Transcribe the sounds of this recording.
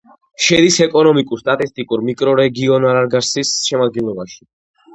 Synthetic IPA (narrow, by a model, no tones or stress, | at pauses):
ʃɛd̪isɛkʼɔnɔmikʼuɾst̪ʼat̪ʼist̪ʼikʼuɾmikʼɾɔɾɛɡiɔnaɾaɾɡaɾsisʃɛmad̪̚ɡɛnlˠɔbaʃi̥